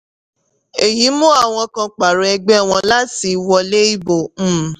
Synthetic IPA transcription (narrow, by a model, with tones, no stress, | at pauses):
e˨ji˨˦mũ˦a˦˨w̃ɔ̃˧kã˧k͡pa˨ɾo˨ɛ˧ɡ͡bɛ˦˨w̃ɔ̃˧la˦ti˧wɔ˧le˦i˦bõ˨˦˨